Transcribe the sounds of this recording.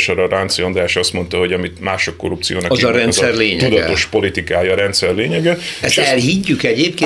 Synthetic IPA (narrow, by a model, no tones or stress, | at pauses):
ʃɔɾɒɾant̪siond̪aːʃɒst̪mo̞nt̪ɒɦo̞ɟɒmit̪maːʃo̞kːo̞̰ɾup̚t̪sijo̰ːnɒkɒzɒɾɛnt̪sɛrleːɲɛt̪ud̪ɒo̞ʃpo̞lit̪ikaːjɒːɾɛnt̪sɛrleːɲɛɡɛɛsʃɛlhiɟːykɛɟeːp̚keː